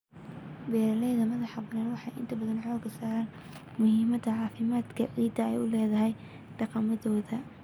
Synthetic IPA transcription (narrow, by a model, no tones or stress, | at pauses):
bɛːɾɐlɛjðɐmɐðɑħɑbɐnɐːnwɑħɑjʔɪnt̪ʰɐbɐðɐnʕɔːɡɐsaːɾaːn | mʊhɪːmɐd̪ɐʕɑːfɪmaːd̪kʰɐ̰ʕiːd̪ɐɛ̰jʊlɛːðɐɦɛj | ɖ̥ɑqɑmɐðɔːðɐ